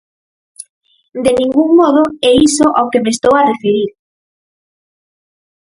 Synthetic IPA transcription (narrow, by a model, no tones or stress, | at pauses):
d̪enĩŋɡuŋmɔð̞ʊeisoʔawkemest̪owarefeɾiɾ